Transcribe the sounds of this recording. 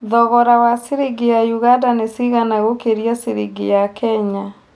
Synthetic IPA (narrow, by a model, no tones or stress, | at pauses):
ðɔɣɔɾawasiɾiɡejajuɣandanesiɣanaɣokeɾjasiɾiɡḭjakʰɛɲa